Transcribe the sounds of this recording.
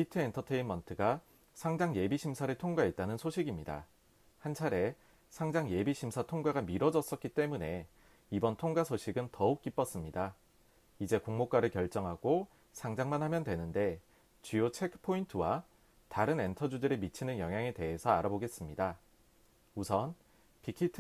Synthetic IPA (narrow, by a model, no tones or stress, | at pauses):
pʰitʰɯentʰʌtʰe̞inmʌntʰɯɡa | sʰaŋd͡ʑaŋje̞biɕʰimsʰaɾɯɭtʰoŋɡaet̚t͈anɯnsʰoɕʰiɡimɲida̰ | hant͡ɕʰaɾe̞ | sʰaŋd͡ʑaŋje̞biɕʰimsʰatʰoŋɡaɡamiɾʌd͡ʑʌs͈ʌt̚k͈it͈e̞mune̞ | ibʌntʰoŋɡasʰoɕʰiɡɯntʌuk̚k͈ip͈ʌs͈ɯmɲida | id͡ʑe̞koŋmok͈aɾɯɭkjʌɭt͡ɕ͈ʌŋɦaɡ̥o | sʰaŋd͡ʑaŋmanɦhamjʌndwe̞nɯnde̞ | t͡ɕujot͡ɕʰekʰɯ̥pʰointʰɯwa | taɾɯne̞ntʰʌd͡ʑudɯɾemit͡ɕʰinɯnjʌŋɦjaŋete̞ɦesʰʌaɾaboɡe̞s͈ɯmɲida | usʰʌn | pʰikʰitʰ